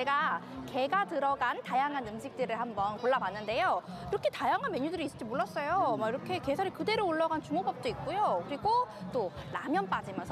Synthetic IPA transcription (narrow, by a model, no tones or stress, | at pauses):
eɡa | ke̞ɡatɯɾʌɡantajaŋɦanɯmɕʰik̚t͈ɯɾɯɭhambʌnkoɭːabanːɯnde̞jo | iɾʌkʰe̞tajaŋɦanmjeɲudɯɾiːs͈ɯ̥d͡ʑimoɭːʌs͈ʌjomaiɾʌkʰe̞ke̞sʰaɾikɯde̞ɾoːɭːʌɡant͡ɕumobʌp̚t͈oik̚k͈ujokɯɾiɡot͈onamjʌnp͈ad͡ʑimjʌnsʰ